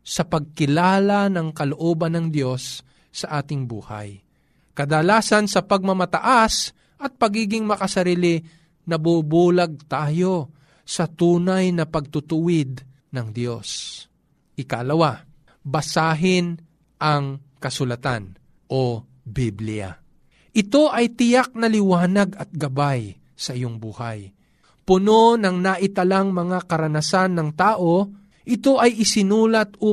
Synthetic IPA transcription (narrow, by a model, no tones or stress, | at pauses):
sɐpɐɡ̚kɪlaːlanɐŋkɐloʔoːbɐnːɐŋd̪jo̞sː | ɐʔaːt̪ɪŋbṵːha̰j | kɐd̪ɐlaːsɐnsɐpɐɡ̚mɐmɐt̪ɐʔas | ʔɐt̪̚pɐɡiːɡɪŋmɐkɐsɐɾiːlɪ | nɐbubuːlɐɡ̚t̪aːjo̞ | sɐt̪uːnajnɐpɐɡ̚t̪ʊt̪ʊwɪd̪̚ | nɐŋd̪jo̞s | ʔɪkalɐwa | bɐsaːɦɪn | ʔɐŋkɐsʊlɐt̪an | ʔo | biblɪja̰ | ʔɪt̪o̞ʔɐjt̪ɪjak̚nɐlɪwaːnɐɡɐt̪̚ɡɐbaj | sɐʔɪjoŋbuːhɐ̰j | pʊno̞nɐŋnaʔɪt̪ɐlaŋmɐŋakɐɾɐnɐsanːɐŋt̪aːʔo̞ | ʔɪt̪o̞ʔɐjʔɪsɪnuːlɐt̪o